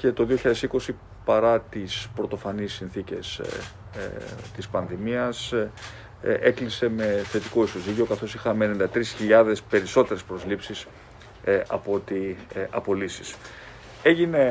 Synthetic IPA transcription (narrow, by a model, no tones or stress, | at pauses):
ce̞t̪o̞ðioçiʎɐðe̞siko̞si | pɐɾɐt̪ispɾo̞t̪o̞fɐnisːinθice̞̰s | t̪ispɐnðimiɐs | ʔeklise̞me̞θe̞t̪iko̞iso̞ziceo̞kɐθo̞sixɐmenend̪ɐt̪ɾisçiʎɐðe̞spe̞ɾiso̞t̪e̞ɾe̞spɾo̞zlipsis | ɐpo̞t̪iɐ̰po̞lisi̥s | e̞ʝine̞